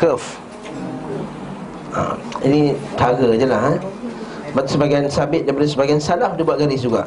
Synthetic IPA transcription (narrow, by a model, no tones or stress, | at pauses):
kəf | a̰ | inĩt͡ʃaɡəd͡ʒəlaɦa | bat̪usəbaɡajnsabɪt̪̚dajpadasəbaɡajnsalahdibuaʔ̚ɡaɾɪsd͡ʒuɡa̰